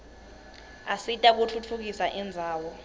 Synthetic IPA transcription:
asitʼak̬ut͡fʰut͡fʰuk̬isaʔɛnd͡zʱaːwɔ

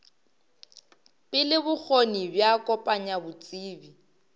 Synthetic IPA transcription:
pʼɪlɪbʊk͡xʰonibjakʼɔpʼaɲabʊt͡sʼiːbi

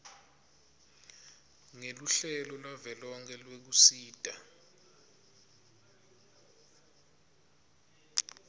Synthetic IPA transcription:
ŋeluɬɛlɔlwavɛlɔŋkʰɛlwek̬usiːd̥ʱʼa

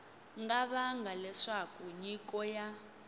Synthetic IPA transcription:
ŋɡaβaŋɡalɛʂakuɲikʼɔja

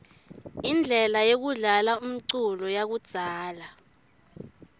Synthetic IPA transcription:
ind͡ɮʱɛlajok̬uɮalaum̩ǀulɔjak̬ud̥z̥ʱaːla

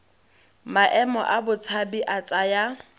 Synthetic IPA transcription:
maʔɛmɔ̰ʔabʊt͡sʰabiʔat͡sʼaja

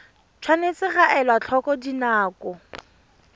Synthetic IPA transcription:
t͡ʃʰwanet͡sɪɣaʔɛlwat͡ɬʰɔkɔdinaːkɔ

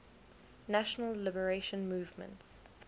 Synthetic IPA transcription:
naʃənəlːlɪbəɹeʃə̃nmuːvmə̰̃nts

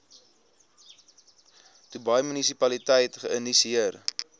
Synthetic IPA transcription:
tubɐjmynisipɐlitɛjtχəəndisiər

